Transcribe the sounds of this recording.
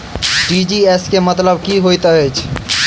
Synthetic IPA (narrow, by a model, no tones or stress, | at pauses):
ʈid͡ʒieskemət̪ləbkiɦojt̪əɦɛt͡ʃʰ